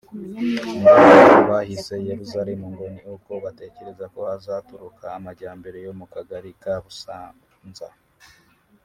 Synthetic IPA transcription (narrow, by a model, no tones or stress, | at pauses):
muaoβahise̞jeɾuzaɾemuŋɡo̞nioko̞βate̞ːce̞ɾe̞zako̞hazatuɾukʰaːmaɟaːmbe̞ɾe̞jo̞mukaɡaɾikaβusa | nza̰